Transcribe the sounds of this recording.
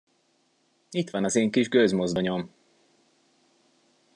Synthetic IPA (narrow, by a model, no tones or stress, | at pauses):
it̪ʋɒnɒzeːŋkiʒɡøzmozd̪oɲom